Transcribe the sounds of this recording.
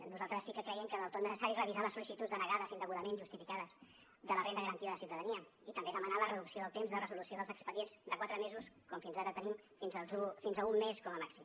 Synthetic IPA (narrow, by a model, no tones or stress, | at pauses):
nuzalˠt̪ɾəsːikəkɾəjɛmkənəlˠt̪onəsəsaɾirəβizaləsulisit̪ud͡zd̪ənəɣaðəzind̪əɣuðəmẽnʒust̪ifikaðəz | d̪ələrend̪əɣəɾənt̪iəðəsiwt̪əðəniə | it̪əmbezðəmənalərəðuksioðəlˠt̪emzðərəzulusioðəlˠzəkspəðienz̥d̪əkwat̪ɾəmezuskɔmfinzadət̪ənimfinzəzufinzəumːeskɔməmaksim